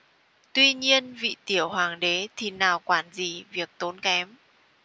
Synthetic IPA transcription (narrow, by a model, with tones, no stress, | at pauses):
t̪wi˧ɲi˧ənvḭ˧˨t̪i˧˩əwhaː˨˩ŋɗe˨˦t̪ʰi˨˩naː˨˩wkwaː˧˩nzi˨˩vi˨˩ək̚t̪o˨˦nkɛ˨˦m